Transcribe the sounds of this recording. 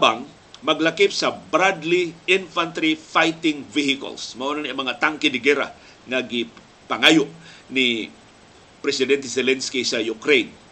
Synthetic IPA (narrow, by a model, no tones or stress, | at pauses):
baŋ | mɐɡlakɪpsɐbɾad̪liʔɪnfant̪ɾifajt̪ɪŋvihɪko̰lsmɐʔonanamɐŋat̪aŋkɪd̪ɪɡɛɾa̰ | ŋaɡɪ | pɐŋajʊʔnɪ | pɾɛsɪd̪ɛnt̪ɛsɛlɛnskisɐjʊkɾejn